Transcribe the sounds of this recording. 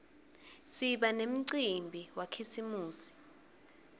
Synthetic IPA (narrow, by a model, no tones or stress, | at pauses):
siɓanem̩ǀimbʱiwakʰisimuːsi̥